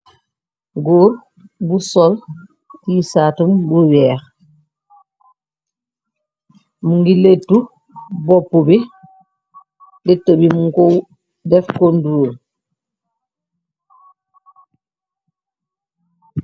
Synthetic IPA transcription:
ɡoːɾ | busɔl | tiːsaːtumbuwɛːx | muŋɡiletːu | bɔpːubi | lɛtːobimuŋkow | dɛfkonduo

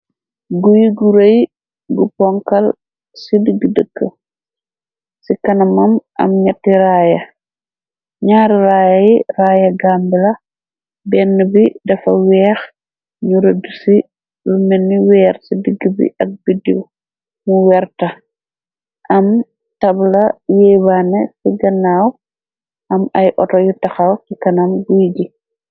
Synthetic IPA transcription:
ɡujiɡuɾɐj | ɡupɔŋkɐl | sidəɡədəkːə̰ | sikɐnɐmɐmʔɐ̰mɲɐtːiɾaːjɐ | ɲaːɾiɾaːjɐjiraːjɐɡambilɐ | bɛnːəbidɐfɐwɛːx | ɲuɾɐdusi | lumɛnːiwɛːɾsidiɡːibḭʔɐk̚bidḭw | muwɛɾtɐ | ʔɐm | tɐblɐjɛjbanɛsiɡɐnːaw | ʔɐmɐjʔɔtɔjutɐxɐwkikɐnɐmɡuɟi

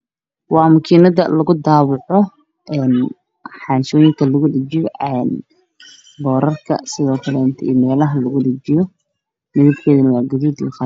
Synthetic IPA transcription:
wɑːmɐkʰiːnɐðɐlɐɣʊd̪aːβʊʕɔ | ʔɛːn | ħɑːnʃɔːjɪŋkʰɐlʊɣʊɖɐt͡ʃɪjɔɛːn | bɔːɾɐrkʰɐ̰sɪðɔːkʰɐlɛnt̪ʰḭːmɛːlɐɦɐlɐɣʊɖɪt͡ʃɪjɔ | mɪðɪb̚kʰɛːðɐnɐwɑːɡɐðuːd̪ḭːχɑ

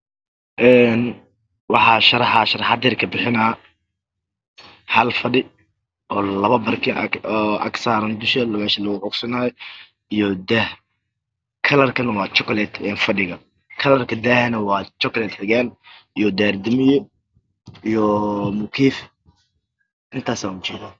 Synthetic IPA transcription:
ʔɛːn | wɑħɑːʃɐɾɐħɑʃɐɾɐħɑd̪ɛːrkʰɐbɪħɪnɐː | hɐlfɐɖɪ | ʔɔːlɐβɐbɐrkʰɪɔɐ̰ksaːɾɐnd̪ʊʃɐlmɛːʃɐlɐɣʊʕʊɡsɐnaːj | ijɔd̪ɛh | kʰɐlɐrkʰɐnɐwɑːt͡ʃɔklɛd̪ɛːnfɐɖɪɣɐ | kʰɐlɐrkʰɐd̪ɛhɛnɐwɑːt͡ʃɔklɛd̪ħɪɣaːnijɔd̪ɛːrd̪ɪmɪjɔ | ijɔmʊkʰiːf | ʔɪnt̪ʰaːsaːɡʊt͡ʃɛːða

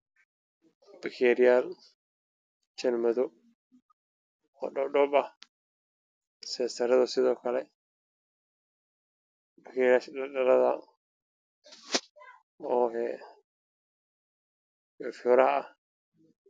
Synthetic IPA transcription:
bɐkɛɾɪjaːl | t͡ʃɐnmɐðɔ | ɔ̰ːɗɔɖɔbɐh | sɛːsɐɾɐðɐsɪðɔːkʰɐlɛ | bɐkɛɾɪjaːʃɗɐɗɐɾɐðɐ̰ | ɔːhɛ | ɛfɔːɾɐhɐɐh

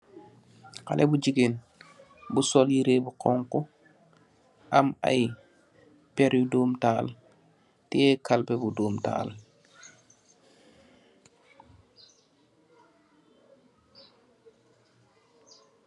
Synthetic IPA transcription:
ka̰lʔebud͡ʒiɡen | busɔljiɾebuqɔŋku | ʔama̰j | pɛɾjudoːmtaːl | tiɛkʰalpɛbudoːmta̰ːl

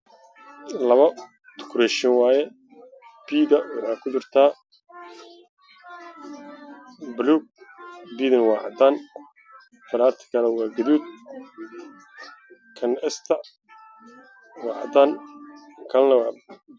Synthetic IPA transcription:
lɐβɐ | t̪ʰʊ̥kʰɾɛʃɪnwaːjɛ | b̥iːðɐwʊħaːkʰʊd̪ʊrt̪ʰaː | bluɡ̚biːðɐnwɑːʕɑ̰d̪aːn | fɐɾaːɾt̪ʰɪ̥kʰɐɾɐwɑːɡɐðuːd̪̚ | kʰɐnɛst̪ʰɐ | wɑːʕɑ̰d̪aːn | kʰɐlnɐwaːb

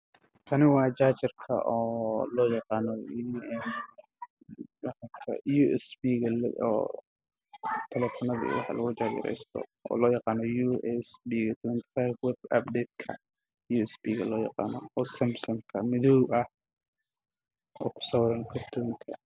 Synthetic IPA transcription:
kʰɐnɪwɑːt͡ʃaːt͡ʃɪrkʰɐ̰ʔɔːlɔːjɑqɑːnɔjuɛn | wħakʰɐ̰juɛsbiːɣɐlɛ̰ɔ̰ː | t̪ʰɛlɛfɔnɐðḭwɑ̰ħlʔɐɣʊt͡ʃaːd͡ʒɪ̰ɾɛ̰jst̪ʰɔ̰ɔ̰ːlɔːjɑqɑːnɔjuːʔɛsbiːɣɐt̪ʰwɛnt̪ʰɪ̥fajbwɛbɐ̰b̚d̪ɛːd̪̚kʰɐ̰ | juːɛsbiːɣɐlɔːjɑ̰qɑ̰ːnɔɔsɐmbsɔŋkʰɐmɪðɔwʔɐh | ɔːkʰʊ̥sɔwɾɐŋkʰɔrt̪ʰuːŋkʰɐ

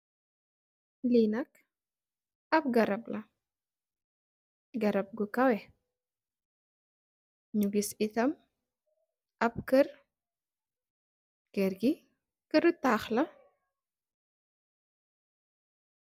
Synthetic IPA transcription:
liːnɐk | ɐp̚ɡɐɾɐblɐ | ɡɐɾɐp̚ɡukɐwɛ | ɲuɡisit̪ɐm | ʔɐp̚kər | kɛɾɡi | kəɾtaːxlɐ

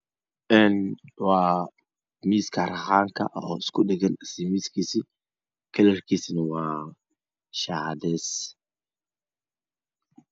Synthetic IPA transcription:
ʔɛnwɑː | miːskʰɐrɑχaːŋkʰɐ̰ʔɔɪskʰʊɗɛɣɐnɪsimiːskʰiːsi | kʰɐlɐrkʰiːsnɐwɑː | ʃaːhd̪ɛːs

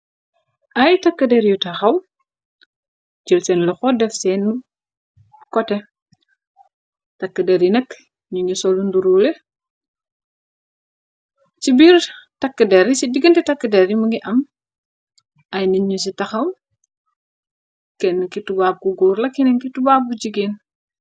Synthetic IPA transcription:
ʔɐjtɐkːədɛɾjutɐxɐw | d͡ʒəlsɛnlɔxɔdɛfsɛn | kɔtɛ | tɐkːədɛɾjinɐk | ɲuɲusɔlunduɾuːlɛ | t͡ʃibiːɾtɐkːədɛɾisidiɡəntɛtɐkːədɛɾjumuŋiʔɐm | ɐjninɲus̬itɐxɐw | kɛnːkitubaːb̚kuɡuːrlɐkːɛnɛŋkitubaːb̚ɡud͡ʒiɡeːn

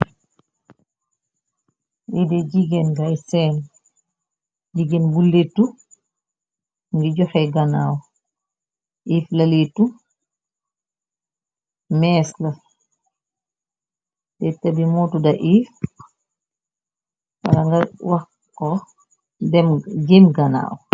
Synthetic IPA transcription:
ʔidɛd͡ʒiɡɛnɡajsɛːn | d͡ʒiɡɛnbulːetːu | ŋɡid͡ʒɔxɛɡana̰ːwɔ | ʔiːflaletu | mɛːsla | dɛtabimotudaʔif | ba̰ɾaŋɡawa | kɔ | dɛmɡemɡana̰ːwɔ

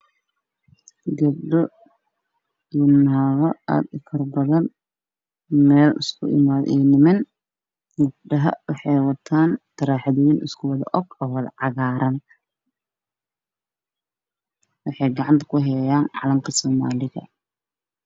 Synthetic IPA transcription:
ɡɐb̚ɖɔ | inaːɣɔa̰ːd̪ɪkʰɐrbɐðɐn | mɛːlɪskʰʊ̰ʔɪ̰maːðɛːnɪmɛn | ɡɐb̚ɖɐɦɐ̰wɑħɑjwɐt̪ʰaːnt̪ʰɐɾaːħɑðɔwinʔɪskʰʊwɑðɐ̰ʔɔɡɔːwɐðɐʕɑɣaːɾɐn | wɑħɑjɡɑʕɑnt̪ʰɐ̥kʰʊɦɛjaːnʕɑ̰lɐmkʰɐsɔːma̰ːlɪɣɐ̰

